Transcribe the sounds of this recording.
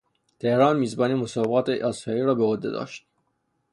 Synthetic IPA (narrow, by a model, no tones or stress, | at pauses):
t̪ʰehɾɑːnmiːzbɒːniːmosɒːbbɑːt̪ʰeʔɑsɑiːɾɒːbeod̪ːḛd̪ɒ̰ːʃt̪̚